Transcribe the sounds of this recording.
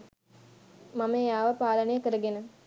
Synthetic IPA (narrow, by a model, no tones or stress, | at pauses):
mamejaːʋɐpaːlɐnejəkəɾəɡenə